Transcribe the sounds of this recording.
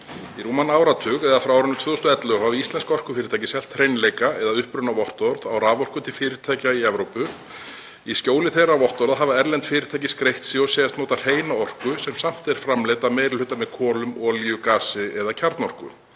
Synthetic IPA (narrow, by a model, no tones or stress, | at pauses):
iɾuːmanaːwɾat̪ʰʏɣɛðafɾawɾʏnʏt̪ʰvœːðɔst̪ʏɛt̪lœɣhavɪist̪lɛnskɔr̥kʏ̥fɪːɾɪt̪ʰaːjcɪsɛl̥t̪rejnlejkaɛðaʏhpɾʏnavɔht̪ɔɾðawraːvɔr̥kʏt̪ʰɪlfɪːɾɪt̪ʰaːjcaiɛvɾowpʏ | iscoːwlɪθejravɔht̪ɔɾðaɦaːvaɛɾlɛnt̪fɪːɾɪt̪ʰaːjcɪskɾejht̪siɔsɛjast̪nɔːt̪ar̥eːjnaɔr̥kʏsɛmsam̥t̪ɛɾ̥fɾamleːt̪ameːɾɪlhʏt̪amɛðkʰɔːlʏmɔliʏkaːsɪɛðacʰaɾt̪nɔr̥kʏ̰